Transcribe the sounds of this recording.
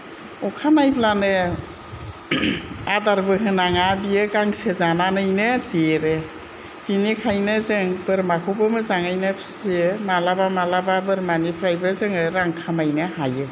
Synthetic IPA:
ɔkʰanajblanɯ | adaɾbɯɦɯnaŋabijɯɡaŋsezananɯjnɯdeɾɯ | b̥inikʰajnɯzɯŋbɯɾmakʰowbɯmɯzaŋajnɯpʰsemalabamalababɯɾmanipʰɾajbɯzɯŋɯɾaŋkʰamajnɯhajɯ

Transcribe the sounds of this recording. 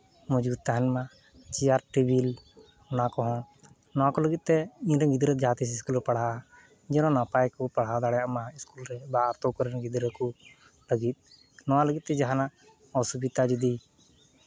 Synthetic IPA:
mɔd͡ʒuːd̪̚t̪aɦnmã | t͡ʃiaːɾʈibil | nãkɔɦõ | nɔãkoləɡit̪ːeĩɾəɡɪd̪ɾəd͡ʒaːt̪is̬skuːlpəɽ̤a | d͡ʒɛnõnapaːjkupəɽ̤aːd̪aːɽjamãɪskulɾɛbaːɾt̪okəɾənɡɪd̪ɾəku | ləɡit̪̚ | nɔãləɡit̪ːɛd͡ʒaɦana | ɔsubit̪ad͡ʒud̪i

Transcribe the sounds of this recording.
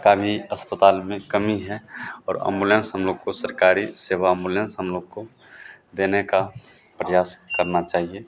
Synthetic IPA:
kabʱiəspət̪aːlmẽkəmiɦɛɔːɾə̰̃mbulẽnsɦəmloːɡ̚kosəɾkaːɾiseːʋaə̃mbulẽnsɦəmloːɡ̚ko | d̪eːneka | pɾəjaːskəɾnat͡ʃaːɦie

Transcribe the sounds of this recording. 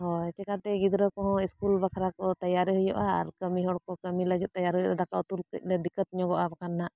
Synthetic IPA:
hɔɛt͡ʃɛkat̪ɛɡid̪ɾəkɔɦɔ̃iskulbakʰɾakɔt̪ajaɾɦəjɔʔa̰ːɾkəmiɦɔɽkɔkəmiləɡit̪̚t̪ːajaɾɦəjɔʔad̪akaut̪ulkə̰c̚ˀlɛd̪ikət̪̚ɲɔɡɔʔabakanːaʔ

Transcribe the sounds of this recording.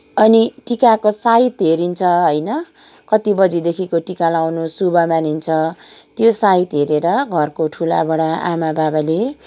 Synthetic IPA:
ʌniʈikakosait̪ɦeɾint͡sʰʌɦʌjnʌ | kʌt̪ibʌd͡zid̪ekʰikoʈikalawnosubʌmanint͡sʰʌt̪josait̪ɦeɾeɾʌɡʱʌrkoʈʰulabʌɽaʔa̰mababale

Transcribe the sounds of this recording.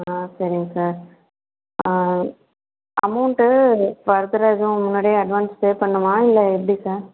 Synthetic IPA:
asɐɾɪŋɡɐsaːɾ | ɐ̰mɐʊɳʈʋɐɾd̪ɐɾaːd͡ʒʊ̃mːɐnoːɽɐjɐɐɖʋaːnspeːpɐɳːɐʋãːɪlːɐɛp̬ːɐɽisaːɾ

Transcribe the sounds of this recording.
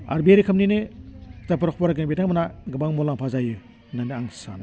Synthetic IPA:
a̰ɾbieɾikʰɯmninɯtapɯɾɔkʰpɔɾaɡeŋbetaŋmanaɡɯbaŋmɔlaŋpʰazajɯ | naniaŋsa̰n

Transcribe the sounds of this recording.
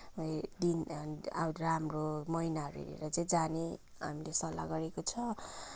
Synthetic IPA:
ɖinaramromʌinaʌɾuḛɾḛɾʌd͡zẽj̃d͡zane | a̰milesʌlːa̰ɡʌɾekot͡sʰʌ

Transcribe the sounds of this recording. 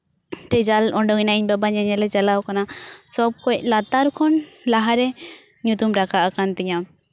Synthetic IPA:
ʈɛd͡ʒalɔɳɖɔŋinaʔiɲbabaɲaɲɛlɛd͡ʒalawkanasɔb̚kɔc̚lat̪aɾkʰɔnlaɦaɾɛ | ɲut̪umɾakʰaʔakant̪ɛɲa

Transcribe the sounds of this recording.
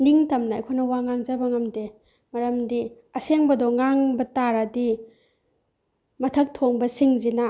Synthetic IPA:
niŋtɐmnɐɐ̰jkʰojnɐwaŋaŋzabɐŋɐmde | mɐɾɐmdi | ɐseŋbɐdɔŋaŋbɐtaɾɐdi | mɐtʰɐk̚tʰoŋbɐsiŋzina

